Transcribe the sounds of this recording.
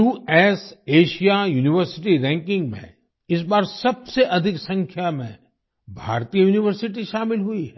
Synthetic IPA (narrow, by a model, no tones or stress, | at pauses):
uːɛːseːʃijajuːnɪʋəɾsɪʈ̬iɾɛ̃ːŋkɪ̃ŋɡmḛ̃ | ɪs̬baːɾsɐbseʔɐd̪ʱɪksɐ̃ŋkʰjamḛ̃ | bʱa̰ːɾt̪ijəjuːnɪʋəɾsɪʈiʃaːmɪlɦʊiɦɛ